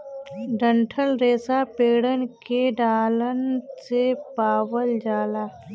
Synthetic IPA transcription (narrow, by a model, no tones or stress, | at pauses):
ɖəɳʈʰəlɾeːsapeːɽənkeɖaːlənsepaːwəld͡ʒaːlaː